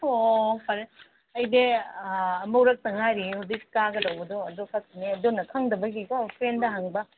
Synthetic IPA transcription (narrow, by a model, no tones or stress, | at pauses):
opʰɐɾe | ɐjde | ɐmɐwɾɐk̚tɐŋajɾihudikkaɡɐdɐwbɐdoɐdokʰɐk̚tineɐdonɐkʰɐŋdɐbɐɡikopʰɾendɐɦaŋbɐ